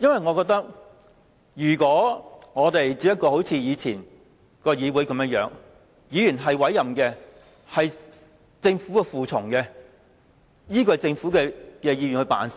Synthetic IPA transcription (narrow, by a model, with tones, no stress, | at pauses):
jɐ˥nwɐ˨jŋɔː˨˧kɔː˧k̚t̪ɐ˥k̚ | jyː˨˩kʷɔː˨˥ŋɔː˨˧t̪e˨jt͡siː˧pj̚kɔː˧ho˨˥wt͡sʰiː˨˧jiː˨˧t͡sʰiː˨˩n | kɔː˧jiː˨˧wuː˨˥jkɐ˨˧mjœː˥ŋjœ̰ː˨˥ŋ | jiː˨˧jyː˨˩nɦɐ˨jwɐ˨˥jːɐ˨mkɛː˧ | hɐ˨j | t͡sɪ˧ŋfuː˨˥kɛ˧fuː˨t͡sʰʊ˨˩ŋkɛ˧ | jiː˥k̬ɔː˧˨jt͡sɪ˧ŋfuː˨˥kɛː˧kɛː˧jiː˧ɥy˨nhɵ˧pa̰ː˨˥ns